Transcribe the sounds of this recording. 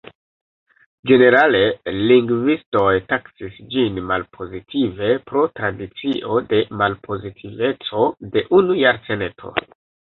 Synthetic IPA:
d͡ʒe̞ne̞ɾale̞liŋɡvisto̞jtaksisd͡ʒinmalpʰo̞zitʰive̞pɾo̞tɾadit͡siʔo̞de̞malpʰo̞zitʰive̞t͡so̞de̞ʔunujaɾse̞netʰo̞̰

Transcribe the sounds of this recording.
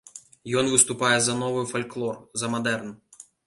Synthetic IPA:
jɔnvɨst̪upajɛzɐnɔvɨfalʲklˠɔrzɐmad̪ɛrn

